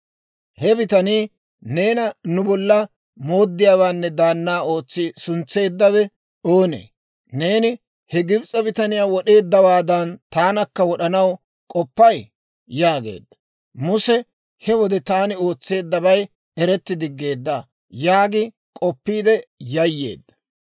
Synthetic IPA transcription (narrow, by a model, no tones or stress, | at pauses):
hɛbɪt̪ɐniː | ne̞ːnɐnʊbɔlːɐ | mo̞ːd̪ːɪjaːwaːnːɛd̪aːnːaːo̞ːt͡sːɪsʊnt͡sːe̞ːd̪ːɐβɛ | o̞ːnḛː | ne̞ːnɪ | hɛɡɪbt͡sʼɐbɪt̪ɐnɪjaːwɔɗe̞ːd̪ːɐwaːd̪ɐnt̪aːnɐkːɐwɔɗɐnɐw | kʼɔpːɐj | jaːɡe̞̰ːd̪ːɐ | mʊsɛ | hɛwɔd̪ɛt̪aːnɪo̞ːt͡sːe̞ːd̪ːɐbɐj | ɛɾɛt̪ːɪd̪ɪɡːe̞ːd̪ːaː | jaːɡɪ | kʼɔpːiːd̪ɛjɐjːe̞̰ːd̪ːɐ̥